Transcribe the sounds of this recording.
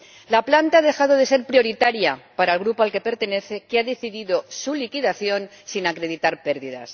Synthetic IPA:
laplant̪aaðe̞xaðo̞ðe̞se̞ɾpɾjo̞ɾit̪aɾjapaɾaelɣɾupoalke̞pe̞ɾt̪e̞ne̞θe̞keaðe̞θiðiðo̞sulikiðaθjo̞n | sinakɾeð̞it̪aɾpe̞ɾðiða̰s

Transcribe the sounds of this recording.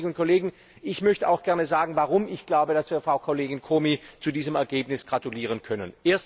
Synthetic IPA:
ɡʊnt̚kʰoleːɡŋ̩ | ʔɪçmœçtəaʊxɡ̥ɛɐnəzaːɡŋ̩vaʁʊmɪçɡ̥laʊbəd̥asv̥iːɐfʁ̥aʊkʰoleːɡɪnkʰoːmit͡sudiːzəmɛɐɡeːpnɪsɡ̥ʁatuliːʁ̞ənkʰœnənʔeːɐs

